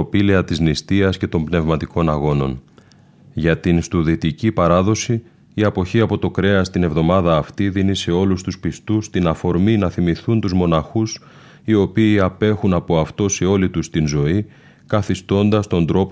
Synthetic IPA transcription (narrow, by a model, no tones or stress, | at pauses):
opileɐt̪iznist̪iɐsce̞t̪o̞mbne̞vmɐt̪iko̞nɐɣo̞no̞n | ʝɐt̪inst̪uðit̪icipɐɾɐðo̞siː | ɐpo̞çiɐpo̞t̪o̞kɾe̞ɐst̪ine̞vðo̞mɐðɐːft̪iðinise̞o̞lust̪uspist̪ust̪inɐfo̞ɾminɐθimiθunt̪uzmo̞nɐxus | io̞piːɐpe̞xunɐpo̞ɐft̪o̞seo̞lit̪ust̪inzo̞i | kɐθist̪o̞nd̪ɐst̪o̞nd̪ɾo̞p